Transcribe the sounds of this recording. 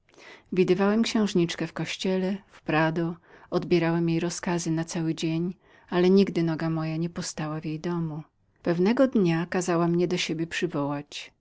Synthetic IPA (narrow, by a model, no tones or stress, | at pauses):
vʲid̪ɘvawɛmkɕɛ̃w̃ʐɲit͡ʂkɛfkɔɕt͡ɕɛlɛfpɾad̪ɔɔd̪bʲjɛɾawɛmjejɾɔskazɘnat̪sawɘd͡ʑeɲ | alɛɲiɡd̪ɘnɔɡamɔjaɲɛpɔst̪awavjejd̪ɔmu | pɛvnɛɡɔd̪ɲakazawamɲɛd̪ɔɕebʲjɛpʂɘvɔwat͡ɕ